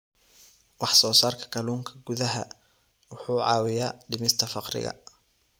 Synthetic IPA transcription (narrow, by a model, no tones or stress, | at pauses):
wɑħsɔːsaːrkʰɐ̥kʰɐluːŋkʰɐ̥ɡʊðɐɦɐ̰ | wʊħuːʕɑːwɪjaːɖɪmɪst̪ʰɐfɑqrɪ̰ɣɐ̰